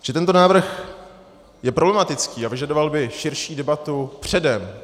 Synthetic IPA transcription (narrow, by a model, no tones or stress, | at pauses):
ʒ̥ɛt̪ɛnt̪onaːvr̩x | jɛpɾoblɛmat̪ɪt͡skiːavɪʒadovalbɪʃɪɾʃiːdɛbat̪upr̝̥ɛdɛm